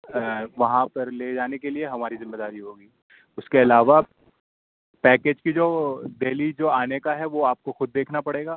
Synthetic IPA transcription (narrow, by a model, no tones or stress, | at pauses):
ʋɐɦãpɐɾleːd͡ʒaːnekelieɦɐmaːɾizɪmːeːd̪aːɾiɦoːɡiː | ʊskeɐlaːʋa | pɛːkeːd͡ʒkid͡ʒoːd̪eːlid͡ʒoːaːnekaɦɛʋoaːp̚koxʊd̪̚ːeːkʰnapɐɽeːɡaː